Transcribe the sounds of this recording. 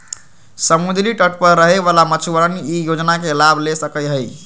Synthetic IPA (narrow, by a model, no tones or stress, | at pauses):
səmud̪liʈəʈpəɾːəɦeʋalamət͡ʃʰuʋəɾəniijod͡ʒnakelabʱlesəkəɦəj